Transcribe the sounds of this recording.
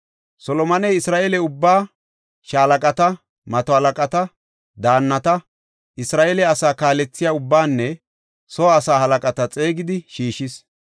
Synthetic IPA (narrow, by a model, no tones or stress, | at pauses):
sɔlɔmɐnɛjɪsɾaːʔelɛʊbːaː | ʃaːlɐkʼɐt̪ɐ | mɐt̪ɔhɐlɐkʼɐt̪ɐ | d̪aːnːɐt̪ɐ | ʔɪsɾaːʔelɛɐsaːkaːlɛt͡sːɪjaːʊbːaːnːɛ | sɔɐsaːhɐlɐkʼɐt̪ɐt͡sʼe̞ːɡɪd̪ɪʃiːʃɪs